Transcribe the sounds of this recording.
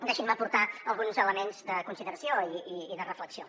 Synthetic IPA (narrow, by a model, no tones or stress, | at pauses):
d̪eʃinməpuɾt̪aəlˠɣunzələmenzd̪əkunsiðəɾəsioiiːðərəfləksio